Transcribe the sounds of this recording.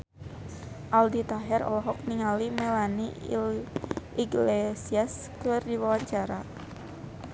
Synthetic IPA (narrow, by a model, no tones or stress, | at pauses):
ʔaldit̪aɦɛɾɔ̰lɔɦɔk̚niŋalimɛlani | ʔiɡlesiasklʊrdiwawaɲt͡ʃaɾa